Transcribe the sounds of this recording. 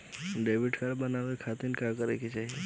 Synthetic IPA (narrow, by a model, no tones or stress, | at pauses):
ɖeʋiʈkaɾbənaʋekʰat̪inkãkəɾeket͡ʃaɦie